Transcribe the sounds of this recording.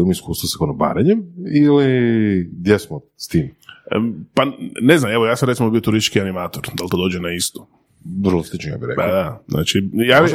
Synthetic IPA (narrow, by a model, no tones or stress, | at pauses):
imiskuːst̪ʋosḁkonoba̰ːɾeɲemiliɡd̪jesmo | st̪iːm | paneznameʋojaːtsamɾet̪simobio̞t̪uɾist̪i̥t͡ʃkianimaːt̪oɾd̪alt̪od̪oːd͡ʒenaist̪o̥ | vɾloslit͡ʃnoja̰ːbiɾed̪ad̪aznʔa̰ːt͡ʃijaː